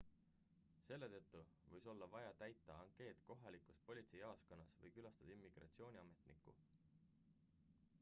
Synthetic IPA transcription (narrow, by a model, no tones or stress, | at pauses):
se̞lːet̪ɤt̪ːuvɤjso̞lːɑvɑjɑt̪æjt̪ˑːɑɑŋkˑe̞ːt̪ko̞ɦɑlikːˑus̚po̞lʲit̪se̞jɑosko̞nːɑsvɤ̰jkylɑst̪ɑd̪̥imːiɡ̥rɑ̰t̪sio̞ːnʲiɑme̞t̪nikːˑṵ